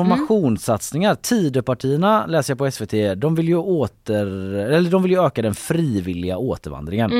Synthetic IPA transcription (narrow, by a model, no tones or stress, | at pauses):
ɔɾmaɧuːnsat̪snɪŋaɾt̪ʰiːd̪əpaʈʰiːəɳalɛːsəjapʰɔɛsveːt̪ʰeːd̪ɔmvɪljɵoːt̪əɾɛlːəɖɔmvɪljɵøːkad̪ɛnfɾiːvɪlːɪɡaoːt̪əɾva̰nd̪ɾɪŋən